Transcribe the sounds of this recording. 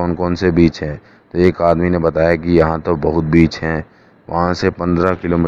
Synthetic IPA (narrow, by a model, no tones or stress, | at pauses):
ɔːnkɔːnsebiːt͡ʃɦɛ̃ː | t̪oeːkaːd̪minebɐt̪aːjakijɐɦãt̪obɐɦʊt̪̚biːt͡ʃɦɛ̃ː | ʋɐ̰ɦãsepɐ̃nd̪ɾakɪloːmi